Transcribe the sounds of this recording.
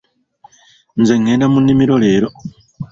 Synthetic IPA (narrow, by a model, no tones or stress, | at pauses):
nzeŋenamunimiɾoleːɾo